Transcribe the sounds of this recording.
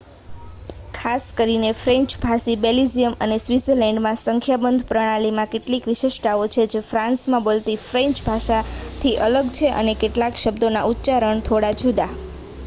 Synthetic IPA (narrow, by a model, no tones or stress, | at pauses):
kʰaskəɾinefɾɛ̃ɲt͡ʃbʱasibelizijəmənesʋizəɾlɛɳɖmãsəŋkʰjabənd̪ʱpɾəɽ̃alimãkeʈlikʋiʃeʃʈaʋot͡ʃʰed͡ʒefɾãnsmãbolt̪ifɾẽɲt͡ʃbʱaʃat̪ʰiʔələɡt͡ʃʰeʔə̰nekeʈlakʃəbd̪onaʔut̪ːt͡ʃaɾəɳt̪ʰoɽad͡ʒud̪a